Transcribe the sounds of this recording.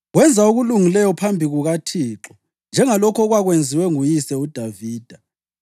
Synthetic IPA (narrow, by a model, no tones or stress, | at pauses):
ɣwɛnd͡zʱauɣuluŋilɛjɔpʰambʱiɣuɣatʰiːǁɔ | nd͡ʒʱɛŋalɔkʰɔɣwaɣwend͡zʱiwɛŋujisɛud̥ʱaviːd̥ʱa